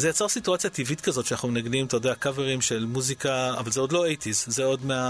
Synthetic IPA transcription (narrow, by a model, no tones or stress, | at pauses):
zejat͡saʁsituat͡sijat̪ivit̪kazo̞tʃeanaχnumenaɡnimt̪ojod̪eakaveʁimʃe̞lmuzika̰ːvalzeodlo̞ejt̪izzeo̞dmea